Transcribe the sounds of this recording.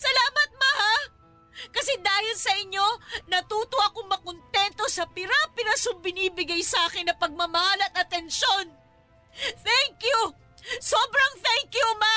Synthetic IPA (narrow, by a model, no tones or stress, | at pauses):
sɐlaːmɐt̪̚mɐha | kɐsɛd̪aːhɪlsɐʔɪɲːo̞nɐt̪uːt̪oʔɐkoŋmɐkont̪ɛnt̪o̞sɐpɪɾapɪɾasʊbɪniːbɪɡajsɐʔaːkɪnːɐpɐɡ̚mɐmɐhalɐt̪ɐt̪ɛnʃo̞n | θɛŋkju | soːbɾɐŋt̪ɛŋkjuma